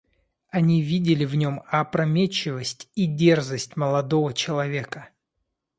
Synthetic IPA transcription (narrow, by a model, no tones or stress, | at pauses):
ɐnʲivʲidʲɪlʲɪvnʲomɐpɾɐmʲet͡ɕːɪvəsʲtʲidʲe̞rzəsʲtʲməlˠɐd̪o̞vət͡ɕɪlˠɐvʲe̞kə